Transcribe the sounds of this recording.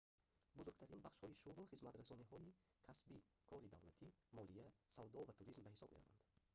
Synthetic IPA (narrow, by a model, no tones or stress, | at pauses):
buzuɾɡt̪ʰaɾinbaχʃhɔiʃuʁlˠχizmat̪ɾasɔniɦɔi | kʰasbi | kʰɔɾid̪avlat̪ʰimɔlijasavd̪ɔvat̪ʰuɾizmbahisɔb̚meɾa̰va̰nd̪̥